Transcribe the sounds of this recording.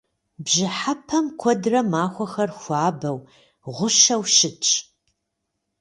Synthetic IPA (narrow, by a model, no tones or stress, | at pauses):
bʒɪħapʰɐmkʷʰɔdrɐmaːxʷɔxɐrxʷaːbɐw | ʁʷʊʃɐwʃɪt͡ʃʼ